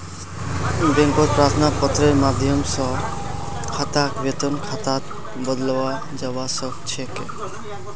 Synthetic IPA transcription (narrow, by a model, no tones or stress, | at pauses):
beŋkot̪̚pɾat̪ʰnapɔt̪ːɾeɾmad̪ʱjɔmsɔ | kʰat̪akbet̪ɔnkʰat̪at̪ | bɔd̪lɔwa | d͡ʒawasɔkt͡ʃʰeke